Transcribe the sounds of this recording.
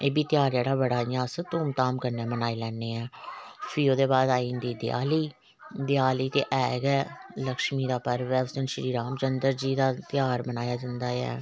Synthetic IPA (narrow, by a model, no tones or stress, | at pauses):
eːbiːt̪ɪjaːɾd͡ʒɛːɽaːbəɽaːijãːsət̪uːmt̪aːmkəɾnɛːmənaːiːlɛːnːeːɛ̃ːpʰiːoːd̪eːbaːd̪aːiːnd̪iːd̪ɪja̰ːliː | d̪ɪjaːliːt̪ḛːʔɛːɡɛːləkʃmiːd̪aːpəɾʋɛːəst̪ənʃɾiːɾaːmt͡ʃənd̪əɾd͡ʒiːd̪aːt̪ɪjaːɾmənaːjaːd͡ʒãnd̪aːɛ̰ː